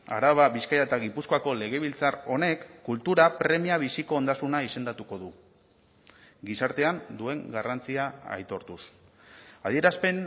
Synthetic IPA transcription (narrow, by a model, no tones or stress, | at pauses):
a̰ɾaβ̞aβiskajaet̪aɣipuskoako̞le̞ɣ̞e̞β̞ilt͡saro̞ne̞kːult̪uɾapɾe̞miaβ̞isiko̞ːnd̪asunaise̞nd̪at̪uko̞ðu | ɡisaɾt̪e̞and̪ue̞ŋɡarant͡siaa̰jt̪o̞ɾt̪us | að̞ie̞ɾaspe̞n